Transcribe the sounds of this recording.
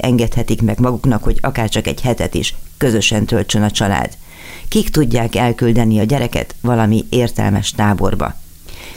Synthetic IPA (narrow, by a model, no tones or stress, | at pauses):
ɛŋɡɛt̪hɛt̪ikmɛɡmɒɡuknɒkho̞ɟɒkaːrt͡ʃɒkɛ̰ɟhɛt̪ɛt̪ḭʃkø̞zø̞ʃɛnt̪ølt͡ʃø̞nɒt͡ʃɒla̰ːd̪̥ | kikt̪uɟːaːkɛlkyld̪ɛniɒɟɛɾɛkɛ̰t̪ʋɒlɒmieːrt̪ɛ̰lmɛ̰ʃt̪aːbo̞̰rbɒ̰